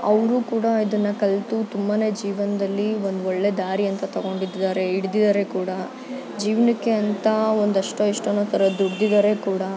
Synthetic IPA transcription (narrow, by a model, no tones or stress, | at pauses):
ɐʋɾuːkuːɽɐid̪ɐnːɐkɐlt̪ut̪umbane̞ːd͡ʒiːʋɐnɐd̪ɐlːio̞nd̪uoɭːe̞d̪aːɾiɐnt̪ɐt̪ɐɡo̞ːɳɖid̪ːaːɾe̞iɽd̪id̪ɐɾe̞kuːɽɐ | d͡ʒiːʋnɐkːeɐnt̪ɐond̪ɐʂʈoiʂʈonoːt̪ʰɐɾɐd̪uɽd̪id̪ɐɾe̞kuːɽɐ